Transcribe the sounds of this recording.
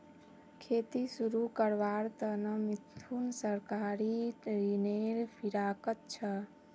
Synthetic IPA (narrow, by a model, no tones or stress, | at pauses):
kʰet̪isuɾukəɾʋaɾt̪ənəmit̪ʰːunsəɾkaɾiɾineɾpʰiɾakət̪̚t͡ʃʰə